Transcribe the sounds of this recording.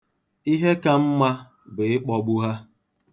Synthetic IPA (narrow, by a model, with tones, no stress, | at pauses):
i˦ɦe˦ka˦m̩˦ma˦ | bʊ˨ɪ˦k͡pɔ˦ɡ͡bʊ˦ɦa˦